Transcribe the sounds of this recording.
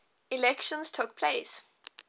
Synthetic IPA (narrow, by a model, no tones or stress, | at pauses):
ilɛkʃə̃nstʰʊk̚pʰleɪs